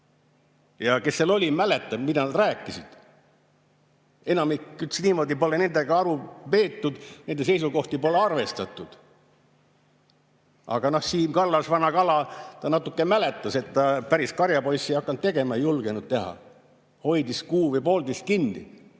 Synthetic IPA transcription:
jɑke̞sːelo̞lʲimæle̞t̪ːˑɑbmid̪ɑnɑd̪ræːkːˑisid̪̥ | e̞nɑmikːyt̪sniːmo̞ːd̪ipo̞lene̞nd̪e̞ɡ̥ɑɑɾupe̞ːt̪ːud̪̥ne̞nd̪̥ese̞jsuɡo̞ht̪ipo̞leɑrve̞st̪ɑt̪ːˑud̪̥ | ɑ̰ɡ̥ɑno̞hsiːmkɑlːɑsvɑnɑkɑlɑt̪ɑnɑt̪ːˑukːemælet̪ːˑɑse̞t̪ːɑpæɾiskɑɾjɑpo̞jsːiɑkːˑɑnt̪t̪e̞ɡ̥e̞mɑejulɡenud̪̥̚t̪e̞ɦɑ̰ | ho̞jd̪iskuːvejpo̞ːld̪iskinːḭ

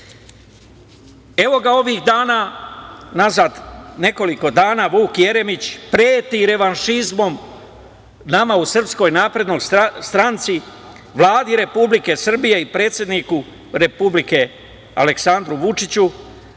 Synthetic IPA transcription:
e̞ʋo̞ɡao̞ʋixd̪aːnaːnazaːd̪ne̞ko̞liko̞d̪aːnaːʋuːkje̞ɾe̞mit͡ɕpɾeːt̪iɾe̞ʋanʃizmo̞m | namausr̩psko̞jnaːpɾe̞d̪no̞jsst̪ɾant̪si | ʋlˠaːd̪iɾe̞publike̞sr̩bije̞ipɾe̞ːt̪sjed̪niku | ɾe̞publike̞ | a̰le̞ksand̪ɾuʋut͡ʂit͡ɕu

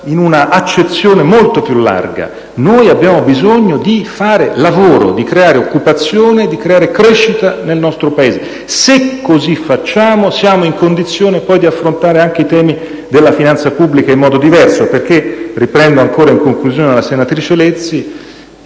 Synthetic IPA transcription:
inunaʔat͡ʃːet̪sːjoːnemolt̪opjulːa̰rɡa̰ | nojabːjaːmobizoɲːod̪ifaːɾelavoːɾo̰d̪ikɾeaːɾeokːupat̪sːjoːned̪ikɾeaːɾekɾɛʃːit̪anelnɔst̪ɾopaeːze | sekʰːozifat͡ʃːaːmosjaːmoiŋkond̪it̪sːjoːnepɔjd̪iafːɾont̪aːɾeaŋk̟eit̪ɛːmi | d̪elːafinant̪sapubːlikaimːɔːd̪od̪ivɛrsoperk̟eripɾɛnd̪oaŋkoːɾaiŋkoŋkluzjoːnelasenat̪ɾiːt͡ʃelet̪sːi

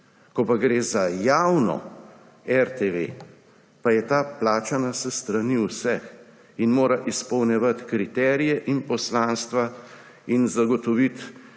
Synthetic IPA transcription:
kɔpaɡɾeːzajawnɔ̰ | ɛɾt̪eʋḛ | pajɛt̪aːplaːt͡ʃanasɛst̪ɾaniwsɛx | inmoːɾaʔispɔwnɛʋat̪kɾit̪ɛːɾijɛʔinpɔslaːnst̪ʋa | inzaɡɔt̪ɔʋit̪

